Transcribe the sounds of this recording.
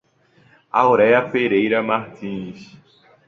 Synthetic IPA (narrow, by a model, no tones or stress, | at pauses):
a̰wɾɛjɐfeɾejɾɐmaɾt̪ĩs